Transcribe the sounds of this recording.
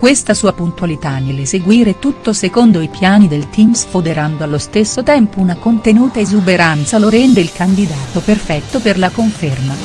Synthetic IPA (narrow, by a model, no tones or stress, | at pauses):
kwest̪asuːapunt̪ualit̪anɛlːeseɡwiːɾet̪ut̪ːosekond̪oipjaːnid̪elt̪imsfod̪eɾand̪oalːost̪esːot̪ɛmpounakont̪enuːt̪aezubeɾant̪saloɾɛnd̪eilkand̪id̪aːt̪operfɛt̪ːoperlakoɱferma